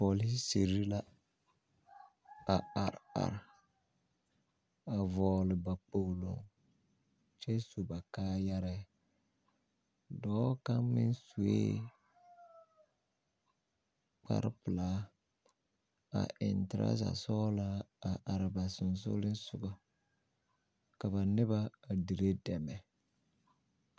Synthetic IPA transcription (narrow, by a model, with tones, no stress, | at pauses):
po˨li˦se˨ɾi˦la˦ | a˨a˨ɾa̰˨ɾ | a˨vɔː˨lɪ˨ba˨po˨lo̰˨ŋ | t͡ʃɛ˦su˨ba˨kaː˦ja˦ɾɛ˦ | dɔː˦ka˦mɪ̰˦nsu˨ḛ˦ | k͡pa̰˨ɾɪ˦pɪ˨laː˦ | a̰˨ʔɪ˨ntɪ˨ɾʔa̰˦za̰˨sɔː˦la˦a˨ʔa˨ɾɪ˨ba˨sʊ˨n˨sʊ̰˦lɪ˦n˦sʊ˨ɡɔ˦ | ka˨βa˨nɪ˦βa˦a˨di˨ɾe˦dɛ˨mɛ˨